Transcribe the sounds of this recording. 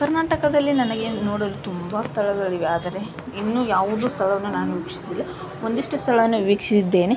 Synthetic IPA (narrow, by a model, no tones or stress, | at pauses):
kɐɾnaːʈɐkɐd̪ɐlːinɐnɐɡe̞no̞ːɽolut̪umbɐst̪ʰɐɭɐd̪ɐɭiʋeaːd̪ɐɾe̞ | inːuːjaːʋud̪uːst̪ʰɐɭɐʋɐnːunaːnuʋiːkʂid̪ilːɐ | o̞nd̪iʂʈust̪ʰɐɭɐʋɐnːuʋiːkʂisid̪ːe̞ːne